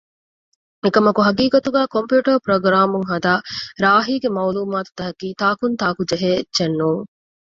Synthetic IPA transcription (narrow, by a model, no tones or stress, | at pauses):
ekɐmɐkuɦɐɡiːkɐt̪uɡæːkompjuːʈɐɾpɾoɡɾaːmuŋɦɐd̪aːɾaːɦiːɡemɐuluːmaːt̪u̥t̪ɐɦɐkiːt̪aːkunt̪aːkud͡ʒɐɦeːetːʃɐnːuːŋ